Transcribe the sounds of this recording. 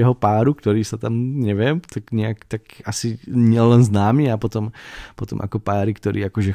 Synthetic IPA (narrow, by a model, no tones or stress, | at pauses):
ɛɦɔpaːɾukt̪ɔɾiːsat̪amɲɛʋɪɛmt̪aɡɲɛakt̪akasiɲɪɛlɛnznaːmiːapɔt̪ɔmpɔt̪ɔmʔa̰kɔpaːɾikt̪ɔɾʔḭːakɔʒɛ